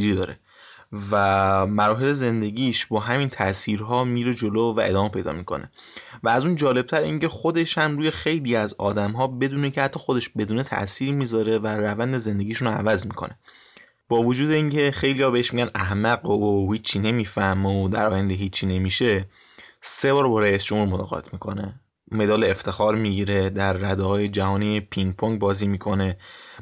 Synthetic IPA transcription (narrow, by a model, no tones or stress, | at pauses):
iɾid̪ɒːɾḛ | væmæɾɒːɦe̞le̞ze̞nd̪e̞ɟʲiːʃbɒːɦæmint̪ʰæʔsiːɾɦɒːmiːɾed͡ʒoloːvæ̰ʔe̞d̪ɒːme̞pʰe̞jd̪ɒ̰ːmiːkʰo̰ne̞̰ | væːzuːnd͡ʒɒːle̞b̚t̪ʰæɾḭŋcʰe̞xo̞d̪e̞ʃhæmɾuːje̞xe̞jliːæzɒːd̪æmɦɒːbe̞d̪uːnecʰeæt̪ʰːɒːxod̪e̞ʃbe̞d̪uːne̞t̪ʰæ̰ʔsiːɾmiːzɒːɾe̞væɾævænd̪e̞ze̞nd̪e̞ɟiːʃunoæ̰væzmiːkʰo̞̰ne̞ | b̥ɒːvod͡ʒuːd̪e̞iːŋcʰe̞xejliːhɒːbeeʃmiɟænʔæhmæɡoohiːt͡ʃʰːine̞miːfæhmeod̪æ̰ɾʔɒːjænd̪eɦiːt͡ʃʰːine̞miːʃe̞ | se̞bɒːɾbɒɾæjisd͡ʒomhuɾmot̪ɒ̰ːɣɒ̰t̪ʰmiːkʰo̞ne | me̞d̪ɒːleːft̪ʰe̞xɒːɾmiɟiːɾe̞d̪æɾːæd̪ɛhɒːjed͡ʒæhɒːniepʰiŋ̚pʰoŋɡbɒːziːmiːkʰo̞ne̞